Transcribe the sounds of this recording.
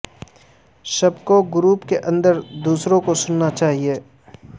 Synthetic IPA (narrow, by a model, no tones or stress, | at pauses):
sɐbkoɡʊɾuːpkeʔɐ̃nd̪əɾd̪uːsɾõkosʊnːat͡ʃaːɦieː